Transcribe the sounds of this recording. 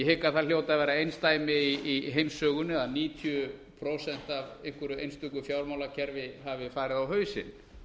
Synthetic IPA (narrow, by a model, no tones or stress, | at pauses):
jɛhɪkaθal̥jowt̪aðvɛːɾaejnst̪aːjmɪiiɦejmsːœːɣʏnːʏaðniːt̪ʰjʏpʰɾowsɛn̥t̪avejŋ̥kvʏɾʏejnst̪ʏkʏfjawɾmawlacʰɛɾvɪɦavɪfaːɾɪðawɦœːɥsɪ̰n